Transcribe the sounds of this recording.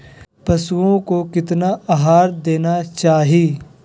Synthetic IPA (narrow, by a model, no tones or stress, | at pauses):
pɐsuõkokɪt̪naaɦaːɾd̪eːnat͡ʃaːɦiː